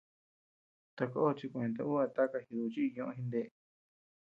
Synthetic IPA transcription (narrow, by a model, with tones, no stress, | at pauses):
t̪a˧ko˦o˦˧t͡ʃi˧kũ˧ẽ˧t̪̬a̰˧u˦a˧t̪a˦ka˧hi˧ðu˧t͡ʃi˦˧ɲõ˧ʔɦĩ˧nd̪e˧